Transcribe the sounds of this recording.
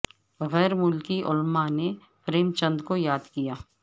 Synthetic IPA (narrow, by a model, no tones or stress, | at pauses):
ɣɛːɾmʊlkiʔʊlmane | pɾeːmt͡ʃə̃nd̪kojaːd̪kijaː